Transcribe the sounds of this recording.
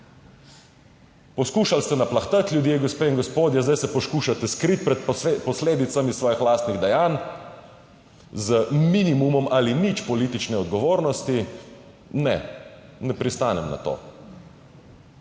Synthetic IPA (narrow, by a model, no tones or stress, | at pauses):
pɔskuːʃalst̪ɛnaplaxt̪at̪lʲjud̪jeɡɔspeiŋɡɔspoːd̪jɛzd̪ajsɛpɔskuːʃat̪ɛskɾit̪̚pɾɛt̪̚pɔsleːd̪it̪samissːʋɔːjixlaːst̪niɣd̪ɛjaːn | zəminimumɔmʔalinit͡ʃpɔliːt̪it͡ʃnɛɔd̪ɡɔʋoːɾnɔst̪i | nɛ̰ | nɛpɾist̪aːnɛmna̰t̪o̰ː